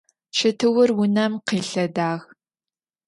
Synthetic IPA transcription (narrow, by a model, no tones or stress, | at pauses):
t͡ʃʰɐtʰɨwʊrwʊnɐmqiːɬɐdaːɣ